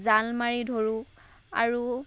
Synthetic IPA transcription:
zalmaɹidʱoɹu | a̰ɹu

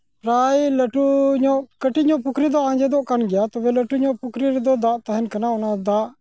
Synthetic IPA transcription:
pɾaːiləʈuɲõkəʈiɲõːpʊkʰɾid̪oãːd͡ʒed̪oːʔkənɡɪjaːt̪oʋeːləʈuːɲõːpʊkʰɾiɾd̪oːd̪aːʔt̪əɦənkɐnaʊnãd̪aːʔ

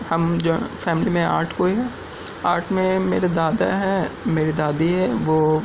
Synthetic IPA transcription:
hɐmd͡ʒoːfɛːmɪlimẽa̰ːɾʈʰkoːiɦɛː | aːɾʈʰmẽmeːɾad̪aːd̪a̰ɦɛmeːɾid̪aːd̪iɦɛʋoː

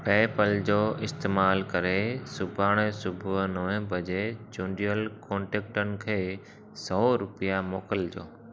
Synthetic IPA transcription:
pɛːpəld͡ʑoːɪst̪eːmaːlkɐɾesʊbʱaːɽ̃esʊbʱnəʋɛ̃bʱɐd͡ʑed͡ʑoːɳɖijəlkɔ̃ːɳʈeːk̚ʈənɪ̆kʰeː | sɔːɾʊpɪjamoːkəld͡ʑo̰ː

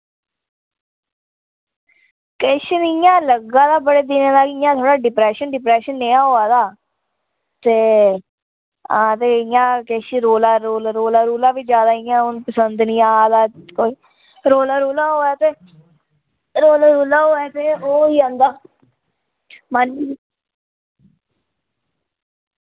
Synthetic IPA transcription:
kɛːʃənɪjãːləɡãːd̪aːbəɽeːd̪ɪnẽːd̪aːkɪjãːt̪ʰoːɽaːɖɪpɾɛːʃənɖɪpɾɛːʃənːeːãːɦoːaːd̪aː | t̪eː | ãːt̪eːɪjãːkɛːʃiɾoːlaːɾoːlɾoːlaːɾoːlãːʋiːd͡ʒjaːd̪aːɪjãːʊnpəsənd̪nĩːaːd̪aːkoːiː | ɾoːlaːɾoːlãːɦoːɛːt̪eː | ɾoːlaːɾoːlaːɦoːɛːt̪eːoːiːə̃nd̪aː | mən

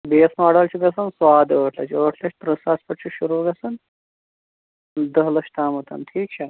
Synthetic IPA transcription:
beːsmaːɽɐlt͡ʃʰiɡɐsɐnsʋaːd̪əːʈʰlɐt͡ʃʰəːʈʰlɐt͡ʃʰt̪ɾɐsaːspɐʈt͡ʃʰiʃuɾuːɡɐsɐn | d̪ɐɦlɐʂt̪aːmot̪ɐ̰nʈʰiːk̚t͡ʃʰaː

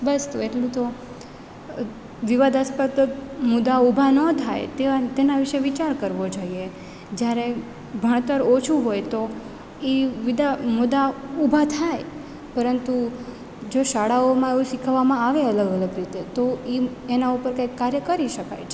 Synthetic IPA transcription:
bəst̪oeʈlũt̪o | ʋiʋad̪ʱaspət̪mʊd̪aubʱanət̪ʰajt̪eat̪enaʋiʃeʋit͡ʃaɾkəɾʋod͡ʒoie | d͡ʒjaɾe | bʱəɳ̃t̪əɾot͡ʃʰuɦojt̪o | iʋid̪amud̪aubʱat̪ʰaj | pəɾənt̪u | d͡ʒoʃaɽaomãeʋũʃikʰəʋːamãaʋeələɡələɡɾit̪et̪oi | enaupəɾkajkːaɾjəkəɾiʃəka̰jt͡ʃʰe

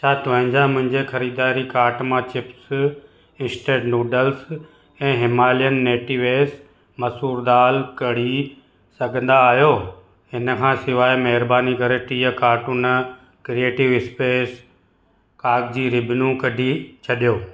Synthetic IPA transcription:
t͡ɕʰaːt̪ʊʋɐɪ̃ɲd͡ʑamʊ̃ɦɪ̃ɲd͡ʑexɐɾiːd̪aːɾikaːɾʈmãt͡ɕɪps | ɪ̃nsʈeːʈnuːɖəls | ɛ̃ːɦɪmaːlijənːeːʈiʋeːs | mɐsuːɾd̪aːlkɐɽ̤i | sɐɡʱə̃nd̪aːɦjoː | ɦɪnə̆kʰãːsɪʋaːimɐɦɪɾbaːnikɐɾeʈiːjəkaːʈunə | kɾieːʈɪʋɪspeːs | kaːɡ̚d͡ʑiːɾɪbʱnũkɐɖʱit͡ɕʰɐɗijoː

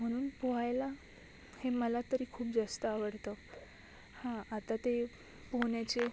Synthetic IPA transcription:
m̤əɽ̃uːnpoɦajla | heməlat̪əɾiːkʰuːp̚d͡zast̪əaʋəɽt̪ə | hãat̪at̪e | poɳjat͡ɕe

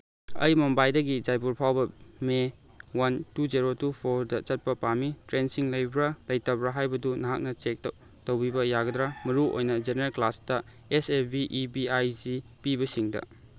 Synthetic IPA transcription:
ɐ̰jmombajdɐɡid͡ʒajp̬uɾpʰawbɐme | wantud͡ʒeɾotupʰoɾdɐt͡ʃɐt̚pɐpamitɾensiŋlɐjbɾɐlɐjtɐbɾaɦajbɐdunɐɦak̚nɐt͡ʃek̚t | tɐwbibɐjaɡɐdɾamɐɾuʔo̰jnɐd͡ʒeneɾɐlklastɐ | esebiʔːbiajzipibɐsiŋdɐ̰

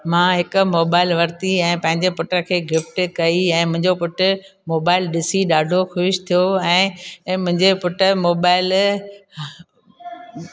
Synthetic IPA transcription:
mãːɦɪkʊ̆moːbaːɪlʋɐɾt̪iɛ̃ːpɐ̃ɦɪ̃ɲd͡ʑepʊʈəkʰeːɡɪfʈkɐiɛ̃ːmʊ̃ɦɪ̃ɲd͡ʑopʊʈ | moːbaːɪlɗɪsiɗaːɖʱoxʊɪʃt̪ʰijoɛ̃ːmʊ̃ɦɪ̃ɲd͡ʑepʊʈə̆moːbaːɪl

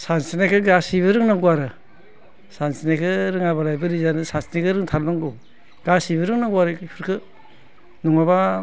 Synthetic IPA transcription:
sansinakʰɯɡasibɯɾɯŋnaŋɡuaɾɯ | sansinakʰɯɾɯŋabalajbɯɾizanɯsansinakʰɯɾɯŋtʰalnaŋɡu | ɡ̥asibɾɯŋnaŋɡuaɾɯpʰɯɾkʰɯ | nɔŋaba

